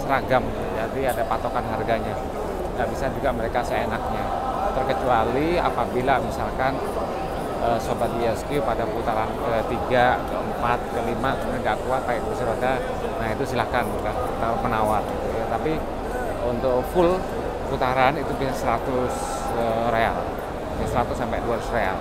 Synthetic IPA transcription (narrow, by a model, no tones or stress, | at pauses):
səɾaɡam | d͡ʒadiadapat̪okanɦarɡaɲa | dabisad͡ʒuɡaməɾekasəenak̚ɲa | t̪ərkət͡ʃualia̰pabilamisalkan | əsobat̪̚iɛskiupadapəput̪aɾankət̪iɡaəəmpat̪̚kəlimasmɾiŋɡaʔkuaʔaɪt̪ubisaɾada | nahit̪usilakanka | t̪aɾpənawat̪̚ɡit̪ujat̪api | unt̪ʊk̚fʊl | pəput̪aɾanit̪ubisasəɾat̪ʊs | ərea̰l | asəɾat̪ʊsːampɛʔduaɾsrea̰l